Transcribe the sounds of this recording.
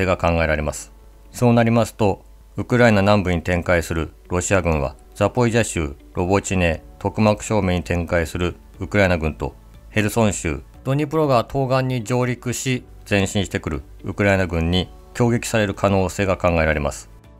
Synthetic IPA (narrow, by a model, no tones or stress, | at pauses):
eːɡakãŋɡae̞ɾaɾe̞masɨ̥ | so̞ːnaɾʲimasɨ̥t̪o̞ | ɯkɯ̟ɾainanãmbɯ̟ɲ̟it̪ẽ̞ŋkaisɨɾɯ̟ɾo̞ɕiaɡɯ̟̃ɰ̃βa̰ | z̥apo̞iʑaɕɨ̰ː | ɾʔo̞bo̞t͡ɕine̞ːt̪o̞kɯ̟makɯ̟̥ɕo̞ːmẽ̞ɲ̟ːit̪ʰẽ̞ŋkaisɨɾɯ̟ | ɯkɯ̟ɾaenaɡɯ̟̃nt̪o̞̰ | he̞ɾɯ̟sõ̞ɰ̃ɕɨ̰ː | d̪̥o̞ɲ̟ip̬ɯɾo̞ɡat̪ʰo̞ːɡãɲ̟ːid͡ʑo̞ːɾʲikɯ̟ɕi | z̥ẽ̞ɰ̃ɕĩɰ̃ɕi̥t̪e̞kɯ̟ɾɯ̟̰ | ɯ̰kɯ̟ɾaenaɡɯ̟̃ɲ̟ːi | kʲo̞ːɡʲe̞kʲi̥saɾe̞ɾɯ̟kʰano̞ːse̞ːɡakãŋɡae̞ɾaɾe̞masɨ̥